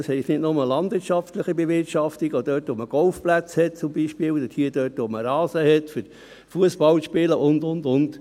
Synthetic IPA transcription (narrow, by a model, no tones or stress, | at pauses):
ɑshɛɪtnɪtnʊməlɑndʋɪɾtʃɑftləχibevɪɾtʃɑftiɡɔd̥œːtʋɔməɡ̥ɔlfplæt͡shɛt̚t͡sʊmbiːʃpɪːwdəthiːəd̥œːtʋoməɾɑːsəhɛtfʏɾ | fuəsbɑlʃpɪləʔʊndʊndʊnt